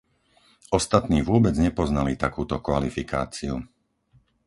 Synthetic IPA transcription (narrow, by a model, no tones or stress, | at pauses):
ɔst̪at̪niːʋʊɔbɛd͡zɲɛpɔznalit̪akuːt̪ɔkʋalifika̰ːt͡siu